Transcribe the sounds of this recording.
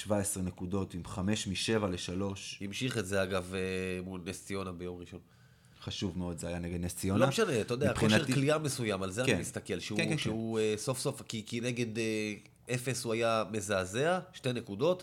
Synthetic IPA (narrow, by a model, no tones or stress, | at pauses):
ʃvaesʁenekudo̞t̪imχame̞ʃmiʃe̞valeʃalo̞ʃhimʃiχe̞tzeaɡavemulnest͡sio̞nabe̞jo̞mʁiʃo̞n | χaʃuvmeo̞d̪zeajaneɡed̪nesionloaeʃaneatajod̪eapχoiaekliame̞sujamalzeanimist̪akelʃeuʃeueso̞fso̞fkikine̞ɡe̞de | e̞fe̞suajame̞zaːze̞aʃte̞ne̞kudo̞t